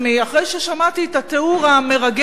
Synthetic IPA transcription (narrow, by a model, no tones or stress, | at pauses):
miaχʁejʃeʃamat̪iːt̪at̪euʁame̞ʁaɡ